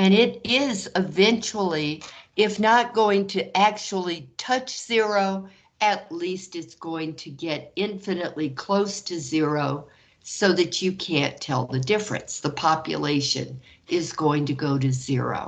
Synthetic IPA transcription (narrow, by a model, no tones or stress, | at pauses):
ɨ̃ñɪɾɪzɪvɛ̃nt͡ʃl̩ˠiɪfnət̚ɡ̥oʊɪ̃ŋtʰɨʔæk̚t͡ʃul̩ˠitʰʌt͡ʃz̥ɪɹoʊ | ɨtˡlistɨtsɡ̥oʊɪ̃ŋtʰɨɡɛɾɪ̃ɱfɨnɨʔlikʰl̥oʊstʰɨzɪɹoʊ | soʊðɨt͡ʃɨkʰæ̃ntʰɛ̰lˠðɨdɪfɹɨ̰̃nsðəpʰɑpjɨ̰leɪʃɨ̰̃n | ɪzɡoʊɪ̃ŋtɨɡoʊɾɨzɪ̰ɹo̰ʊ